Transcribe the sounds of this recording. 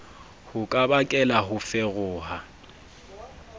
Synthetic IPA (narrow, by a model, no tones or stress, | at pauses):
hʊkʼabakʼɛlaɦʊfɛɣʊːha